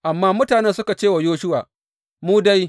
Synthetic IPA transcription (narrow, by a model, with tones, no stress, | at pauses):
ʔa˨mːaː˦mʊ˦taː˨nɛ˦nsʊ˦ka˨t͡ʃeː˦˨wa˨joː˦ʃʊ˦waː˨ | muː˦da˦j